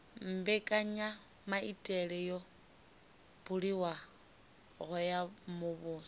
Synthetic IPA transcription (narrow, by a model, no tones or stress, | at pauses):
m̩bɛkʼaɲa | maitʼɛɺɛjɔ | b̥ʊɺiwa | ɣʊjamʊβʊːs